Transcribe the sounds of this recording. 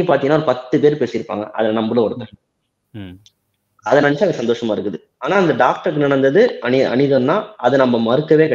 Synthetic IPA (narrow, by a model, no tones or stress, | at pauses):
paːɾt̪iŋɡnːaɔɾɯpɐt̪ːɯpeːɾpeːsɪjɪɾɯpːa̰ːŋɡɐ̰ʔɐ̰ðɐnɐmbɯlɐ̃ɔɽɯk̪ːɐ̃ | ɐðɐnɐnt͡ʃːaːɐsɐnd̪oːʂɐmaːɪɾɯkːɯðɯ | aːnaːɪnd̪ɐɖaːk̚ʈɐɾkːɯnɪɽɳɐnd̪ɐðɯɐɐ̰nɪðɐnːaːɐðɯnɐmːɐmɐɾɯkːɐʋeːkɐ